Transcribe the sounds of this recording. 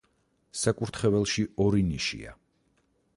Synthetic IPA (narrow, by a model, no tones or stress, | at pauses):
sakʼuɾt̪ʰχɛvɛlˠʃiɔɾiniʃḭa̰